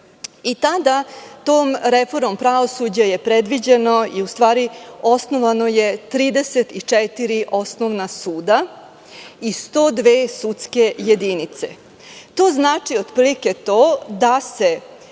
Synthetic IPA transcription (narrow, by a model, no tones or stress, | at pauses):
it̪ad̪at̪oːmɾefo̞ɾmompɾao̞sud͡ʑaje̞pɾed̪ʋid͡ʑe̞no̞iust̪ʋaːɾio̞sno̞ʋano̞je̞t̪ɾiːd̪eset̪it͡ʂɛt̪iɾiʔo̞snoʋnasuːd̪a | ist̪o̞ːd̪ʋeːsut̪ske̞je̞d̪init̪sḛ | t̪o̞ːznaːt͡ʂiod̪pliket̪oːd̪ase